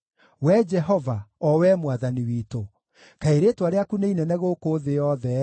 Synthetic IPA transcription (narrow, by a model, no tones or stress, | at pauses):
wɛd͡ʒɛɦɔvaɔwɛmwaðaniwito | kaeɾeːtwaɾeakuneinɛnɛɣoːkoːðejɔðɛ